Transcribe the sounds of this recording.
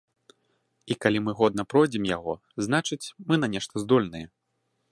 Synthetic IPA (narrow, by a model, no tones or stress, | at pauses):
ikalʲimɨɣɔd̪nɐpɾɔjd͡zʲɛmjaɣɔ | zn̪at͡ʂɨt͡sʲmɨnɐnʲɛʂt̪ɐzd̪ɔlʲnɐjɛ